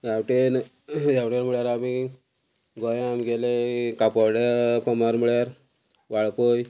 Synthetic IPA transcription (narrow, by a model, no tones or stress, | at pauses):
jawʈen | jawʈenməɭjaɾami | ɡɔjamiɡelekapɔwɽjapɔmaɾmiɭjaɾ | ʋaɭkoj